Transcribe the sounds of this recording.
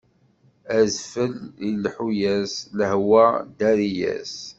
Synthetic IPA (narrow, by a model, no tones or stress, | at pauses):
æzfəlilħujæsləhwæd̪æɾijæ̰s